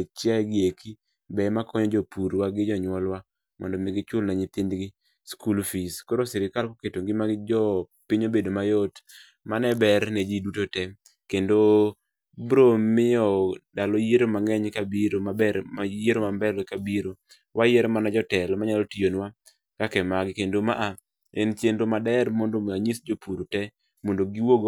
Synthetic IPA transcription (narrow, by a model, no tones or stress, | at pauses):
et͡ʃjaɡɪekʰi | bɛmakʰɔɲɔd͡ʒopuɾwaɡɪd͡ʒɔɲwɔlwa | mɔ̰ndɔmɪɡɪt͡ʃʊlnaɲɪt̪ɪndɡɪ | skulfiskoɾosiɾɪkalkoketoŋɡɪmad͡ʒɔ | pɪɲobedomajot | manɛbɛɾnɛd͡ʒidutotɛm | kendo | bɾomɪjɔdalɔjeɾomaŋɛɲkabiɾomabɛajeɾomambɛlɛkabiɾo | wʔajeɾmanad͡ʒɔtɛlɔmaɲalɔtijonwa | kakɛmaɡɪkendomaʔa | ɛnt͡ʃendomadɛɾmɔndomaɲisd͡ʒopuɾotɛ | mondoɡiwoɡo